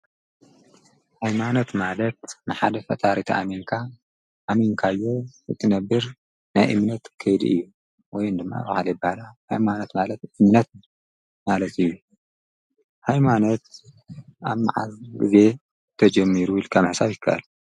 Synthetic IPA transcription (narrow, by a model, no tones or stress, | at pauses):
hajmano̞t̪malɐt̪̚nɨħad̪ɐfɐ̰t̪ʰaɾit̪ʰa̰ʔamiŋkʰa | ʔːmiŋkʰajːo̞ɨ̰t̪ʰʼːɨnɐbːɨɾ | najʔɨmnɐt̪kʰɐjd̪ḭʔɨ̰jːu | wɔjɨnd̪ɨmːa̰bahalɐjbːahalahajmanot̪malɐt̪ʔɨmnɐt̪̚ | malɐt̪ɨjːu | hajmanot̪̚ | aβma̰ʕa̰zɡɨ̰ze̞ | t̪ʰɐd͡ʒɐmːiɾuilkʰamħsaβjɪkʰːa̰ʔɨ̰l